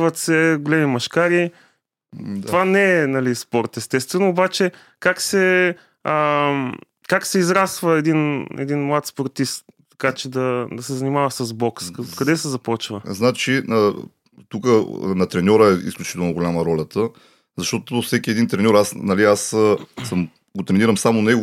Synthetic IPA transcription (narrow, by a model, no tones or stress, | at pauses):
vət̪sɛɡolɛmimɐʃkaɾi | t̪ovanɛɛnɐlispɔɾt̪ɛst̪ɛst̪vɛnoːbat͡ʃɛ | kaksɛ | ə | kaksɛizɾasvəɛd̪inɛ̰d̪inmlˠat̪spoɾt̪ist̪ | t̪ːɐ̥kat͡ʃɛd̪ɐd̪ɐsɛzɐnimavɐsɐzbɔkskkɐd̪ɛsɛzɐpɔt͡ʃvəznat͡ʃiə | t̪ukənɐt̪ɾɛnʲɔɾəɛḭsklʲut͡ʃit̪ɛlˠnoɡolʲaməɾɔlʲət̪ə | zɐʃt̪ɔt̪ofsɛkʲiɛd̪int̪ɾɛnʲɔɾasnɐliasəsəm | ɡot̪ɾɛniɾəmsamonɛɡ